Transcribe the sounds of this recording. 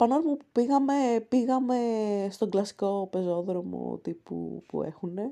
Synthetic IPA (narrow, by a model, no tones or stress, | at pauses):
pɐnolmupupiɣɐme̞piɣɐme̞st̪o̞ŋɡlɐsi̥ko̞pe̞zo̞ðɾo̞mo̞̰t̪ipṵpṵḛxune̞